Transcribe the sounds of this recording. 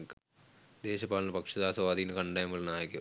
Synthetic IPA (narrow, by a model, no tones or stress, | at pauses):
d̪eːɕɐpaːɭɐlɐpɐkʂɐðaːsɐʋaːd̪ijinkɐɳɖɐjɐmɐɭnaːjɐkʲːu